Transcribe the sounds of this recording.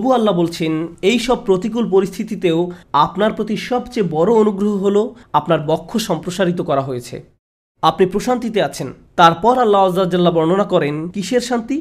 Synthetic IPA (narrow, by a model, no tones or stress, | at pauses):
obualːabolt͡ɕʰenejʃɔb̚pɾot̪ik̬ulp̬oɾist̪ʰit̪it̪eoapnaɾpɾot̪ʰiʃɔbt͡ɕebɔɾoonuɡɾoɦoɦoloapnaɾbɔkʰːoʃɔmpɾoʃaɾit̪̬okɔɾaɦojet͡ɕʰḛ | apnipɾoʃant̪it̪eat͡ɕʰen | t̪aɾpɔɾalːaɔzad͡ʑalːabɔɾnonakɔɾenkiʃeɾʃant̪i